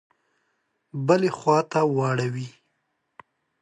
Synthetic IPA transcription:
bəlexwɑt̪awɑɽawi

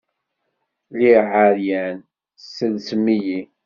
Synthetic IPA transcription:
liʕəɾjæn | səðsəmːiji

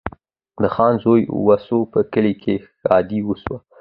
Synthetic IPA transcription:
d̪əxɑnzojwasopəkəlikʰe | ɑ̰d̪iwəswa

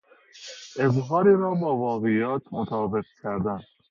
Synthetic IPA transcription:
ʔezɦɒːɾiɾɒːbɒːvɒːɣejɒːt̪ʰmot̪ʰɒːbeɣ̚cʰæɾd̪æn

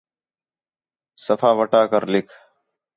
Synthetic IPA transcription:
səfʰaːʋəʈaːkəɾlɪkʰ

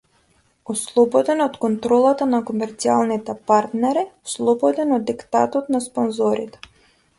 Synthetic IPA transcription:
ɔslˠɔbɔd̪ɛnɔt̪kɔnt̪ɾɔlˠat̪anakomɛɾt̪sialˠnit̪ɛpaɾt̪nɛɾislˠɔbɔd̪ɛnɔd̪ːikt̪a̰t̪ɔt̪nasponzɔɾit̪ɛ̥

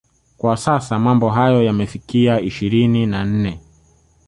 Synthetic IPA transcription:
kwasasamambɔɦajɔjamɛfikiaiʃiɾininan̩nɛ

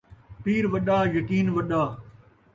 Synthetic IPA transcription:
piːɾʋɐɗaːjɐkiːnʋɐɗaː

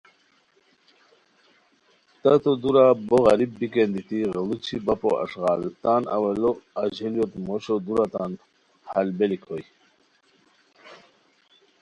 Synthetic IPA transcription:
t̪ɐt̪od̪uɾaboɣɐɾibːikend̪it̪iɣəlut͡ɕʰibɐpo̰ʔɐ̰ʂɣɑːlt̪anɐ̰wɐloɐd͡ʑeljot̪moɕod̪uɾat̪an | hɐlbelikʰoj

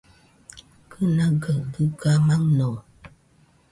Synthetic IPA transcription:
kənaɡəbɨɡamaŋnɔ

